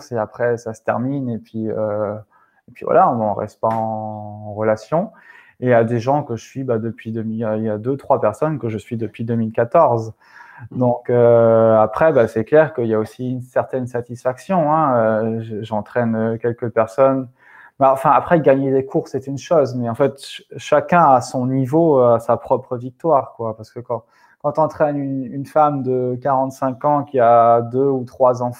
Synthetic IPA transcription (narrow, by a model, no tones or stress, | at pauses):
seapχɛsasə̥t̪ɛ̰ʁminepɥiø | epɥḭvwa̰laɔ̃nɔ̃ʁɛ̰st̪əpaɑ̃ʁəlasjɔ̃ | ead̪eʒɑ̃kəʒəsɥibad̪əpɥid̪əmililjad̪øt̪χwapɛʁsɔnkəʒəsɥid̪əpɥid̪əmilkat̪ɔʁz | d̪ɔ̃køapχɛbasɛklɛʁkəiljaosiynsɛʁt̪ɛnsat̪isfaksjɔ̃ɛ̃øʒəʒɑ̃t̪χɛnøkʲɛlkəpɛʁsɔn | mɛɑ̃fɛ̃apχɛɡaɲed̪ekʰuʁsɛt̪ynʃozmɛɑ̃fɛt̪ʃakʲɛ̃asɔ̃nivoasapχɔpχəvik̚t̪waːʁkwapaʁsə̥kəkɑ̃ | kɑ̃t̪ɑ̃t̪χɛnynynfamd̪əkaʁɑ̃t̪sɛ̃kɑ̃kʲiad̪øut̪χwazɑ̃